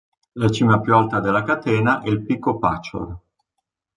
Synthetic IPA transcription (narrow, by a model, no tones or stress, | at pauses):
lat͡ʃiːmapjualt̪ad̪elːakat̪eːnaʔɛilpikːopa̰t͡ʃːo̰r